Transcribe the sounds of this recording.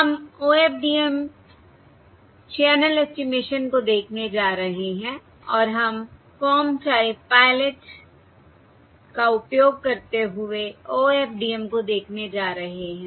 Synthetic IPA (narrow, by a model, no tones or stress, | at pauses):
ɦɐmoːeːp̚ɖiːem | t͡ʃɛːnəlɛsʈimeːʃənkod̪eːkʰned͡ʒaːɾɐɦeɦɛ̃ | ɔːɾɦɐm | fɔːmʈaːɪbpaːɪleʈ | kaʊpjoːɡ̚kɐɾt̪eɦʊeoːeːpɖiːemkod̪eːkʰned͡ʒaːɾɐɦeɦɛ̃ː